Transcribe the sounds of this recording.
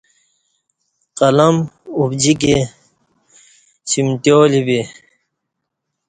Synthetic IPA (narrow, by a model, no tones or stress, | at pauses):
qɐlɐmubd͡ʑik̬e | ɕimʈjoːlibi